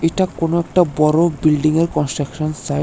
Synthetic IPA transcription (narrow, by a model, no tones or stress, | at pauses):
eʈakonoɛk̚ʈabɔɾobilɖiŋeɾkɔnsʈɾakʃonsa